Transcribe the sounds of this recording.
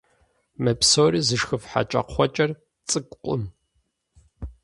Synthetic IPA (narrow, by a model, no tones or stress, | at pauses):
mɐpsoːɾiːzɨʂxɨfħa̰t͡ʃʼɐ̰qχʷɔt͡ʃʼɐr | t͡sʼɨkʷʼqʷʼʊ̰m